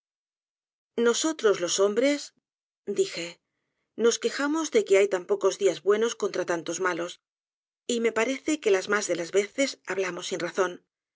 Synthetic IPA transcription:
no̞so̞t̪ɾo̞zlo̞so̞mbɾe̞s | d̪ixe̞ | no̞ske̞xamo̞zðe̞ke̞ajt̪ampo̞ko̞zðiazβwe̞no̞sko̞nt̪ɾat̪ant̪o̞zmalo̞s | ime̞paɾe̞θe̞ke̞lazmazðe̞lazβe̞θe̞saβlamo̞sːinraθo̞n

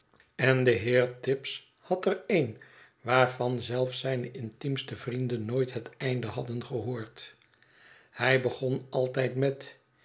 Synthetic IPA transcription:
ɛndəɦɪːɹtɪps | hɑtərejn | ʋaːɹvɑnzɛlˠfsɛjnəʔɪntimstəvrindənːoːjtɦətɛjndəɦɑdənχəɦoːɹt | hɛjbəχonɑlˠtɛjtmɛt

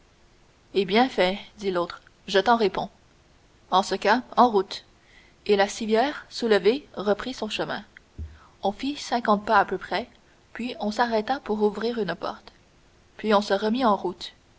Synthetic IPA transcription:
ebjɛ̃fɛd̪iloːt̪χ | ʒət̪ɑ̃ʁepɔ̃ | ɑ̃səkaɑ̃ʁut̪ | elasivjɛːʁsuləveʁəpχisɔ̃ʃəmɛ̰̃ | ɔ̃fisɛ̃kɑ̃t̪̚paːpøpχɛ | pɥiɔ̃saʁɛt̪apuʁuvʁiːʁynpɔ̰ʁt̪ | pɥiɔ̃səʁəmiɑ̃ʁut̪

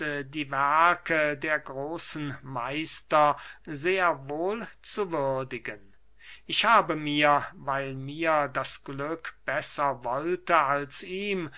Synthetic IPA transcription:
ədiːvæɐkʰədeːɐɡʁoːsn̩maɪstɐzeːɐvoːlt͡suvʏɐdɪɡən | ʔɪçhaːbəmiːɐvaɪlmiːɐdasɡ̥lʏkb̥ɛsɐvɔltəalsiːm

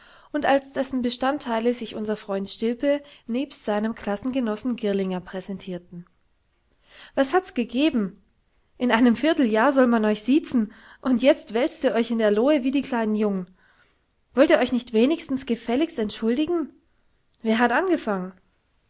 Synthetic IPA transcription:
ʔʊntalsd̥ɛsn̩bəʃtantʰːaɪləzɪçʔʊnzɐfʁ̥ɔʏntʃtɪlpəneːpstz̥aɪnəmkl̥asn̩ɡənɔsn̩ɡɪɐlɪŋɐpʁ̥ɛzɛntʰiːɐtn̩ | vashatsɡ̥əɡeːbm̩ | ʔɪnʔaɪnəmfɪɐtl̩jaːɐzɔlmanɔʏçz̥iːt͡sn̩ʔʊntjɛt͡stv̥ɛlt͡stiːɐʔɔʏçɪndeːɐloːəviːdiːkl̥aɪnənjʊŋən | vɔltiːɐɔʏçnɪçtv̥eːnɪçstn̩sɡ̥əfɛlɪçstɛntʃʊldɪɡŋ̩ | veːɐɦatʔanɡəfaŋən

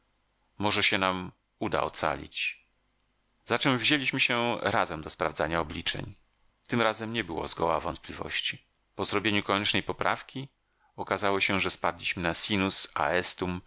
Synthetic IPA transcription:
mɔʐɛɕɛnam | ud̪a̰ɔ̰t̪sa̰lʲḭt͡ɕ | zat͡ʂɛmvʑelʲiɕmɘɕɛɾazɛmd̪ɔspɾavd̪zaɲaɔblʲit͡ʂɛ̰ɲ | t̪ɘmɾazɛmɲɛbɘwɔ̰zɡɔwa̰vɔnt̪̚plʲivɔ̰ɕt͡ɕi | pɔzɾɔbʲjeɲukɔɲɛt͡ʂnɛjpɔpɾʔa̰fkʲi | ɔkazawɔɕɛʐɛspad̪lʲiɕmɘnasʲinusa̰ɛst̪um

